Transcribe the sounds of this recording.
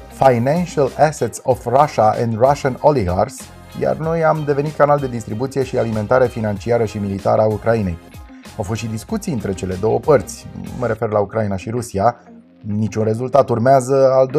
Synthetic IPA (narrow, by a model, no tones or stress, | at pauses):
fajnanʃalæset̪sofraʃaʔɛ̰nd̪raʃanoliɦars | ja̰rno̞jamd̪e̞ve̞nit̪̚kanald̪e̞d̪ist̪ɾibut̪sije̞ʃialime̞nt̪aɾe̞finant͡ʃiaɾəʃimilit̪a̰ɾəaukɾaine̞j | awfo̞st̪ʃid̪iskut̪sijɨnt̪ɾe̞t͡ʃe̞le̞d̪o̞wə̰pərt̪sʲməɾe̞fe̞rlaukɾainaʃiɾusia | nit͡ʃunre̞zult̪at̪urmeazəald̪o